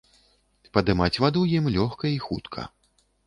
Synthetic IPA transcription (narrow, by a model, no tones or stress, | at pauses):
pɐd̪ɨmat͡sʲvad̪ujimlʲɔxkɐixut̪kʰɐ̰